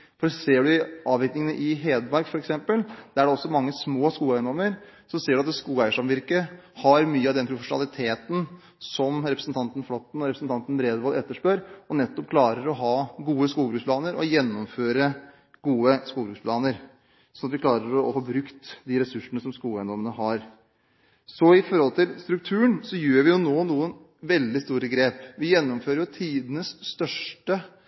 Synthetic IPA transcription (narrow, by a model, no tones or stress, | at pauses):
fɔɾseːɖʉɪʔɑːʋɪɾknɪŋənəʔɪɦeːd̪mɑɾkfɔɾɛksɛmpəld̪̥ææɖɛɔsːɔmɑŋːəsmoːskuːɛənd̪ɔmːəɾsɔmseːɖʉɑt̪skuːæɪʂɑmʋɪɾkəhɑɾmyːəɑʋd̪ɛnpʰɾʊfəʂʊnɑ̰lɪt̪ʰeːt̪n | sɔmɾɛpɾəsn̩t̪ʰɑnt̪ən̩flɔt̪ːn̩ɔɾɛpɾəsn̩t̪ʰɑnt̪nbɾeːd̪ʋɑːlɛt̪ːəʂpøɾɔnɛt̪ːɔpkʰlɑːɾəɾɔɦɑːɡuːəskuːlbɾʉksplɑːnəɾɔjɛnːɔmføːɾə | ɡuːəskuːbɾʉkspʰlɑːnəɾ | sɔnɑt̪ʋɪkʰlɑːɾəɾɔɔfoːbɾʉkt̪d̪ɪɾɛsʉʂənəsɔmskuːlɛnd̪ɔmənəɦɑɾ | sɔɪfɔɾhɔlt̪ɪlst̪ɾʉk̚t̪ʰʉːəɳsɔjøːɾʋɪjʊnoːnuːən | ʋɛld̪ɪst̪uːɾəɡɾeːpʋɪjɛnːɔmføːɾəjʊt̪ʰiːd̪ənəsːt̪œʂʈə